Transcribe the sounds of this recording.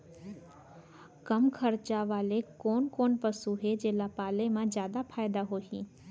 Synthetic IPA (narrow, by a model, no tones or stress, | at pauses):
kɐmkʰɐɾt͡ʃaʋaːlekɔːnkɔːnpəsuɦed͡ʒeːlapaːlemãzjaːd̪apʰaːjd̪aɦoːɦḭ̃ː